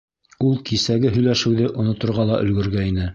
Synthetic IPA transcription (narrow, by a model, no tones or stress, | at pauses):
ulˠkisæɡɘɦɵ̆jlæʃɘ̆wðɘʔŏnŏt̪ŏɾʁɑlˠɑʔɵ̆lɡɵ̆ɾɡæinɘ